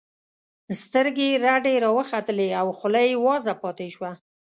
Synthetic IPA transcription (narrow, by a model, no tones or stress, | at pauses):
st̪əɾɡeɾaɖeɾɑwəxat̪əleawxʊlajwɑzapɑt̪eʃwa